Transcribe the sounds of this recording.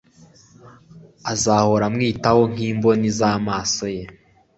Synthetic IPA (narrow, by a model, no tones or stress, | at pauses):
azaho̞ɾamŋiːtaho̞ŋ̥iːmbo̞nizaːmaːso̞je̞